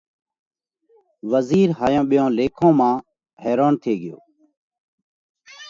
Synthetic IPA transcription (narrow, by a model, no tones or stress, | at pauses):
ʋəziːɾɦaːjõːɓɪjõːleːkʰõːmãː | heːɾoːnt̪ʰeːɡɪjo̰ː